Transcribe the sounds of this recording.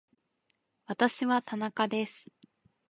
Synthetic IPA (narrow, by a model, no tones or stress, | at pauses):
βat̪aɕiβat̪anakad̪e̞sɨ̥